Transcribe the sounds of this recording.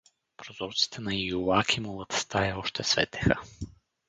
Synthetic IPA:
pɾozɔɾt̪si̥t̪ʰɛnɐjulakʰʲimolˠət̪st̪ajɛɔʃt̪ɛsvɛ̰t̪ɛ̥xə̰

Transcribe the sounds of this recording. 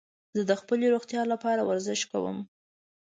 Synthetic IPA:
zəd̪əxpəleɾoɣt̪jɑlapɑɾawaɾzɪʃka̰wə̰m

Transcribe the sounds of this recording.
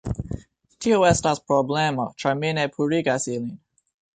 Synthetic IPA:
tʰiəwɛstazpʰɹɔblɛmət͡ʃʰɹaminepʰuɹiɡasilĩn

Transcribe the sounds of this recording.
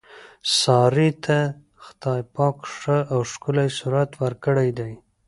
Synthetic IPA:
sɑɾit̪ʰa | xt̪ɑjpɑkʂəʔawʃkʊlajsuɾat̪wəɾkəɽajd̪aj

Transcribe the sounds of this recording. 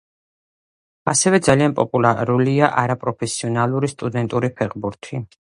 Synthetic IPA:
asɛvɛd̪zalianpʼɔpʼulˠaɾuliaʔaɾapʼɾɔpʰɛsiɔnalˠuɾist̪ʼud̪ɛnt̪ʼuɾipʰɛχbuɾt̪ʰi

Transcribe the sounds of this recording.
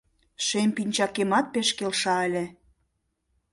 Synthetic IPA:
ʃempinʲt͡ɕɑkemɑt̪̚peʃkelʃɑə̆lʲe

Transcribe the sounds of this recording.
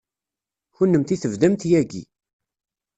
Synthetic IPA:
çʊnːəmt̪iθəvd̪æmt̪jæɡḭ

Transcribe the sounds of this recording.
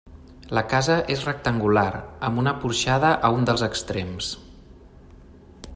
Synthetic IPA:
ləkazəʔezrək̚t̪əŋɡulaɾəmbunəpuɾʃaðəʔəund̪əlˠzəkst̪ɾems

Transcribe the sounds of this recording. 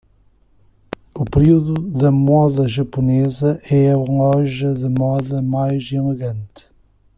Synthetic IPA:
upɨɾiuðuðɐmɔðɐʒɐpunezɐʔɛɐlɔʒɐðɨmɔðɐmajzilˠɨɣɐ̃nt̪ɨ

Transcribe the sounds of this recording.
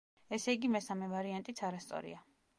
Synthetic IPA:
ɛsɛiɡimɛsamɛvaɾiant̪ʼit̪sʰaɾast̪sʼɔ̰ɾḭa

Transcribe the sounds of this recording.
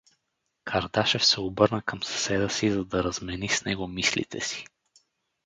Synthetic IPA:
kʰɐɾd̪aʃɛfsɛobɤɾnəkʰəmsɐ̥sɛd̪əsizɐd̪ɐɾɐzmɛnisnɛɡomislḭt̪ʰɛ̰si̥

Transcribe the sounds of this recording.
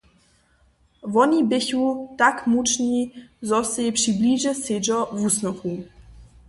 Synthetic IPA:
vɔnibɪçut̪akmut͡ʃnizɔsɛjpʂibliʒɛsed͡ʒɔvusnɔxu

